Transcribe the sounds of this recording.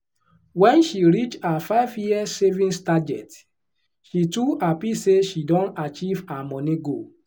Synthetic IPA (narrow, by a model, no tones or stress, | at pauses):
wɛ̃nʃiɹit͡ʃafaɪvjiɛsevĩnstad͡ʒɛ̰t | ʃituapiseʃidɔ̃nat͡ʃivamɔ̃niɡo